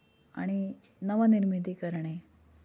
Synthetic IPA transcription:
a̰ɽ̃i | nəʋaniɾmid̪iːkəɾɳe

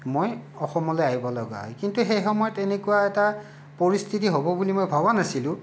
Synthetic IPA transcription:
moj | ɔxɔmɔlojaɦibɔlɔɡa̰ɦɔ̰jkintuxejxɔmɔjɔtɛnekuwaɛta | pɔɹistʰitiɦobɔbulimojbʱabanasilʊ̃

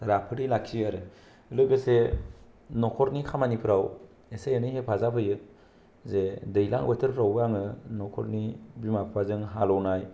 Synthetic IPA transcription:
ɾapʰɯɾilakʰiaɾɯ | lɯbɯse | nɔkʰɔɾnikʰamanipʰɾaw | esejenɯjɦepʰazapʰɯjɯ | zedɯjla̰ŋbatʰɯɾpʰɾawaŋɯnɔkʰɔɾnibimapʰpʰazɯŋɦalɔwnaj

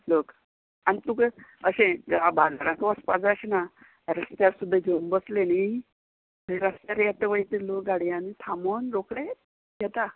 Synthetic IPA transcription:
lok | anit̪ukeəɕẽɡabalaɾãkəʋəspad͡zaɕina | ɾəst̪aɾsud̪ʱːad͡ʒombəsleni | iɾəst̪aɾjɛt̪əʋəjt̪iloɡaɽijanit̪ʰamonɾokɽe | jɛt̪a

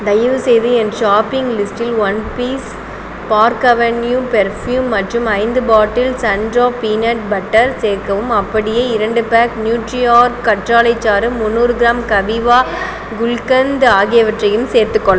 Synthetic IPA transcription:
d̪ɐjɐʋɯsɛjðɯɛnɖʃaːpɪŋɡlɪsʈɪlʋɐnpiːs | paːɾkɐʋɐnjuːpɛɾfjuːmːɐʈrɯmɐɪnd̪ɯbaːʈːɪlsɐnɖroːpiːnɐʈ̚bɐʈːɐɾseːɾkɐʋɯmɐpːɐɽɪjeːɪɾɐɳɖɯpaːknjuːʈɾɪaːɾkːɐʈraːlɐɪt͡ʃːaːɾɯmʊnːuːɾɯɡɪɾaːmkɐʋɪʋaː | ɡʊlkɐnd̪aːɣɪjɐʋɐʈrɐjɯmseːɾt̪ɯkːɔɭːɐ

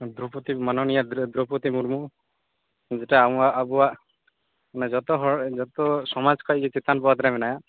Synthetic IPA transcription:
d̪ɾuput̪imanɔnijad̪d̪ɾoput̪imuɾmu | d͡ʒeʈaːw̃aʔːbɔaʔ | nad͡ʒɔt̪ɔɦɔd͡ʒɔt̪ɔsɔmad͡ʒkʰɔʔkit͡ʃit̪anpɔwat̪ɾamɛnaja

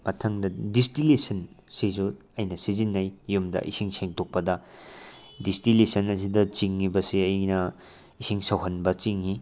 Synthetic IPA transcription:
mɐtʰɐŋdɐdistilesɐnsizu | ɐjnɐsizinːɐjjumdɐ̰ʔḭsiŋseŋtʰok̚pɐdɐ | distilesɐnɐs̬idɐt͡ʃiŋːibɐsiɐjnɐ | isiŋsɐwɦɐnbɐt͡ʃiŋːi

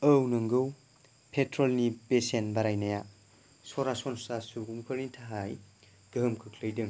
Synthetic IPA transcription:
əwnɯŋɡɯw | pʰetʰɾolnibesenbaɾajnaja | sɔɾasɔnsɔsasuɡumkʰɯɾnitʰaɦaj | ɡ̥ɯmkʰɯkʰlɯjdɯŋ

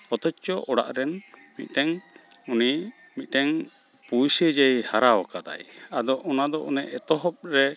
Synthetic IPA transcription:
ɔt̪ɔt͡ʃt͡ʃɔʔɔɽa̰ʔɾɛnmit̪̚ˀt̪ɛŋuni | mit̪̚ˀt̪ɛŋ | pujsɛd͡ʒajhaɾaɔkad̪a̰jad̪ɔʔɔnad̪ɔʔṵnɛʔɛt̪ɔɦɔp̚ɾɛ

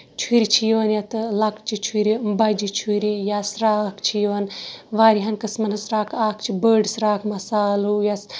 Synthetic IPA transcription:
t͡ʃʰuɾit͡ʃʰijonjɐt̪ɨlɐkt͡ʃʰit͡ʃʰuɾibɐd͡ʒit͡ʃʰuɾijasɾaːkt͡ʃʰijɐnʋaːɾiɦɐnkɨsmɐnɨsɾaːkʰaːkt͡ʃʰibəːɖsɾaːkʰmɐsaːlujas

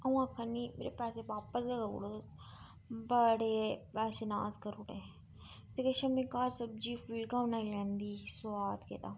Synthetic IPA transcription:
ɐ̃ãːkʰɐnimḛːɾepɛːseʋaːpəsɡaɡɐṵɽo | bɐɽepɛːsena̰ːzkɐɾuːɽe | t̪ekɐʃɐmĩkaːɾsɐb̚d͡ʒiːfilkanaːilɛ̃ːnd̪iːsaːd̪kḛːt̪a

